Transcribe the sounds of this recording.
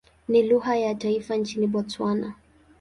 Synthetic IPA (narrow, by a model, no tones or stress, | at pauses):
niluhajataifant͡ʃiniɓɔt͡swana